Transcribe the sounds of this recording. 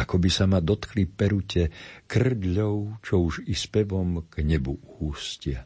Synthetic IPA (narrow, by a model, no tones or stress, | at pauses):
akɔbisamad̪ɔt̪klipɛɾucɛkr̩d̪ʎɔʊt͡ʃɔuʒispɛʋɔmɡ̥ɲɛbuhuːscɪa